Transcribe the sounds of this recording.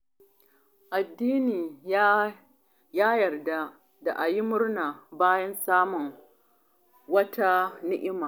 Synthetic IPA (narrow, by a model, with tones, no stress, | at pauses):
ʔa˨dːiː˦niː˨ | jaː˦jɐ˨rda˦ | da˨ʔa˨ji˦mʊ˦rnaː˨baː˦jɐ˦nsaː˦mʊ˨ŋ | wɐ˦ta˦nɪ˦ʔɪ˦maː˨